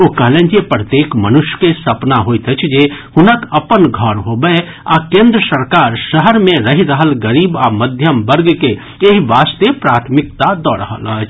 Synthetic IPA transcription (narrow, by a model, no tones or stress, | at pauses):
oːkəɦlẽːd͡ʒiepɾət̪eːkmənʊʃjə̥kesɐpnaɦoːit̪ət͡ʃʰd͡ʒeːhʊnəkɐpənɡʱɔɾɦobəe | aːkẽːnd̪ɾəsəɾkaːɾʃəɦəɾmẽɾɐɦiɾəɦəlɡəɾiːbaːməd̪ʱjəmbəɾɡke | eɦiʋaːst̪epɾaːt̪ʰmɪk̚t̪ad̪ɔːɾə̰ɦə̰lət͡ʃʰ